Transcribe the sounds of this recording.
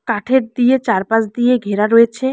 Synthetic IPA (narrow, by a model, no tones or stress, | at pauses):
kaʈʰeɾd̪ijet͡ɕaɾpasd̪ijeɡʱeɾaɾojet͡ɕʰe